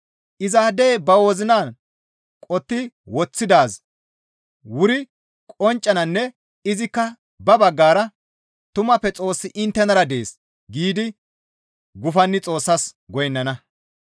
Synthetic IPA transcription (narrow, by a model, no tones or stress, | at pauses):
ʔɪzaːd̪eːbɐwoːzɪnaːn | kʼɔt̪ːɪ | wɔt͡sːɪd̪aːs | wʊɾɪ | kʼɔnt͡ʃʼːɐnɐnːɛ | ɪzɪkːɐ | bɐbɐɡːaːɾɐ | t̪ʊmɐpːɛt͡sʼo̞ːsːɪʔɪnt̪ːɛnɐɾɐd̪eːs | ɡiːd̪ɪ | ɡʊfɐnːɪt͡sʼo̞ːsːɐsɡɔjnːɐnɐ